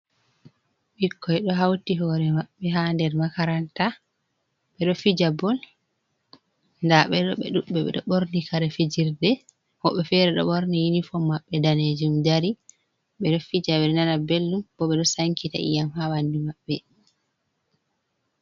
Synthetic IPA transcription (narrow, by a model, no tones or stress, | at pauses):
ɓikːɔjɗɔɦawtiɦɔɾɛmaɓːɛɦandɛɾmakaɾanta | ɓɛɗɔfid͡ʒabɔl | ndaɓɛɗɔɓɛ̰ɗuɓɛɓɛ̰ɗɔ̰ɓoɾnikaɾɛfed͡ʒiɾdɛ | hɔɓɛfɛɾɛɗɔ̰ɓoɾnijinifɔmːaɓːɛdaned͡ʒumdaɾi | ɓɛɗɔfid͡ʒawɛlnanabelːumbɔɓɛɗɔsaŋkita̰ḭjamhawandimaɓːɛ